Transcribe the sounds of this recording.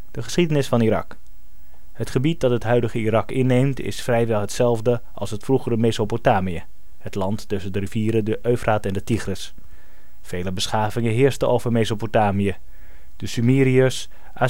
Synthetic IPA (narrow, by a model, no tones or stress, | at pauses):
d̥əχəsχidənɪsfɑnirɑ̰k | hətχəbit̚dɑtɦətɦœɥdəχəirɑkɪnːejmtɪ̰sfrɛjʋɛlˠɦətsɛlˠvdə | ʔɑ̰lˠsɦətfruχərəmezopotaːmijə | hətlɑntːɵsəndəriviːɾədəʔøɥvraːtɛndətiχrəs | fejləbəsχaːvɪŋəɦɪːɹstəowvəɹmezopotaːmiə | d̥əsymiːɾiəs | ʔa